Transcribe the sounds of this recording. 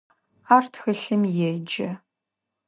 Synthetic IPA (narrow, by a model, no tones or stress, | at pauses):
aːrtʰxɨɬɨmjɛd͡ʒɐ